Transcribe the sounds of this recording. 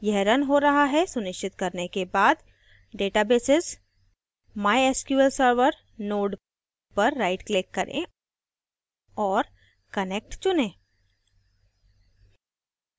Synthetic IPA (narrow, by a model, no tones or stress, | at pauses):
jɛɦɾənɦoɾɐɦaɦɛsʊnɪʃt͡ʃɪt̪kɐɾnekebaːd̪ | ɖeːʈabeːsɪz | maːjeːskjuəlsəɾʋəɾ | noːɖ | pɐɾːaːɪʈklɪkːɐɾʔḛ̃ | ɔːɾ | kɐnek̚ʈt͡ʃʊnẽː